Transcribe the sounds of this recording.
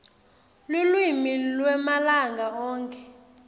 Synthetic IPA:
lulwimilwɛmalaŋɡʱaɔːŋkʼɛ

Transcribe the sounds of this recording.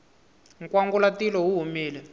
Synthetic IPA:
ŋkwaŋɡulatilɔɦuɦumiːlɛ

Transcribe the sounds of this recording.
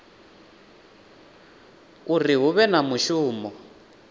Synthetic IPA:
uriɦuβɛnamuʃuːmɔ

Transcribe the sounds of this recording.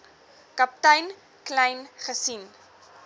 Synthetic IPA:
kɐp̚tɐjn | klɛjnχəsin

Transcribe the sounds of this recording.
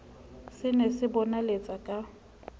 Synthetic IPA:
sɪnɛsɪbɔnalet͡sʼakʼa

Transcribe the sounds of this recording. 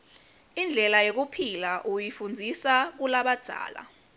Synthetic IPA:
ind͡ɮʱɛlajok̬upʰilaʔujifund͡zʱisak̬ulaɓad̥ʱa̰ːla̰

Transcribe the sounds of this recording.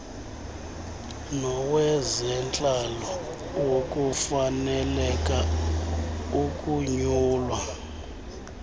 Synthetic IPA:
nɔwɛzɛnt͡ɬʼalɔ | wok̬ʼufanɛlɛk̬ʼa | ukʼuɲuːlwa

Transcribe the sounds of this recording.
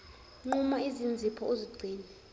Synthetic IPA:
ŋ͡ǃumaizind͡zʱipʰɔoziɡ͡ǀʱiːnɛ

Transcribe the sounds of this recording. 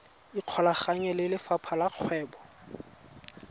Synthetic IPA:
iq͡χʰɔlaχaŋɛlɪlɪfapʰalaq͡χʰwɛːbɔ

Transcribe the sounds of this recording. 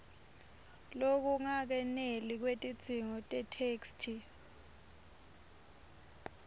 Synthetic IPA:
lok̬uŋak̬ɛnelik̬wetʼid̥z̥ʱiŋɔtʼɛtʰeːkstʰi

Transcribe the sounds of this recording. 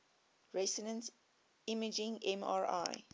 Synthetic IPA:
ɹɛsənə̃ns | iməd͡ʒɪ̃ŋɛ̃ma̰ɹa̰ɪ

